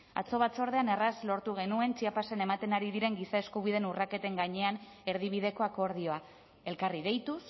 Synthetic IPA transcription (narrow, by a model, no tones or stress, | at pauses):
a̰t͡so̞βat͡so̞ɾð̞e̞ane̞razlo̞ɾt̪uɣ̞e̞nue̞nt͡ʃiapase̞ne̞mat̪e̞naɾiðiɾe̞ŋɡisae̞skuβ̞iðe̞nurake̞t̪e̞ŋɡaɲe̞an | e̞ɾð̞iβ̞ið̞e̞ko̞ako̞ɾðio̞a | e̞lkarið̞e̞jt̪us